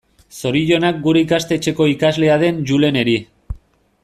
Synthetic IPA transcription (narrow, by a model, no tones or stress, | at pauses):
so̞ɾiʝo̞nak̚ɡuɾe̞ikast̪e̞t͡ʃe̞ko̞ikazle̞að̞e̞nʝule̞ne̞ɾi